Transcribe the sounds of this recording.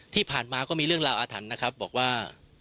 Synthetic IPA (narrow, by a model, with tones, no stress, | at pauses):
t̪ʰiː˥˩pʰaː˨˩nmaː˧kɔː˥˩miː˧ɾɯ˥˩əŋɾaː˧wʔaː˧t̪ʰa˩˦nːa˦˥kʰɾa˦˥p̚bɔː˨˩k̚waː˥˩